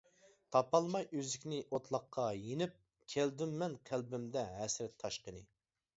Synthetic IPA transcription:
t̪ʰɑpɑlˠmɑjøzɪkʲnɪʔot̪ʰlˠɑqʰːɑjenɪp̚ | kʲʰɛld̪ymːɛnqʰælbɪmd̪ɛɦɛsɾɛt̪ʰːɑʃqənɨ

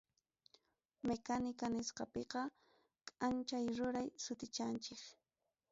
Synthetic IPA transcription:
mekanɪkanɪsqɑpeqɑ | kʼant͡ʃajɾʊɾajsʊt̪ɪt͡ʃant͡ʃɪk

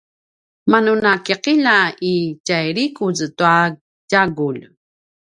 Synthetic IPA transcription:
manunakiqiʎaicajɾikuztua | ɟaɡul

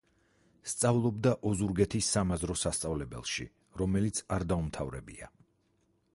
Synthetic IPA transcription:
st̪sʼavlˠɔbd̪aʔɔzuɾɡɛt̪ʰisːamazɾɔsast̪sʼavlɛbɛ̰lˠʃḭ | ɾɔmɛlit̪sʰaɾd̪aumt̪ʰavɾɛ̰bḭa̰

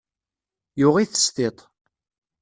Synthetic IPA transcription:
jʊʁiθə̥st̪et̪ˤ

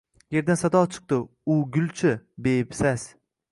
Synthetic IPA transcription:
je̞ɾd̪ansad̪ɒt͡ʃʰɨ̥q̚t̪ɪʊɡʲʊlt͡ʃʰɪbepsas

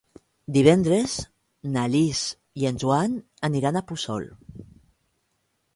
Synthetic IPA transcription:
d̪iβ̞ɛnd̪ɾez | naliz | ienʲʒuan | əniɾanapusɔ̰l

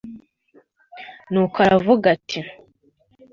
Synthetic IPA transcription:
nukʰaɾavuɡatʰi

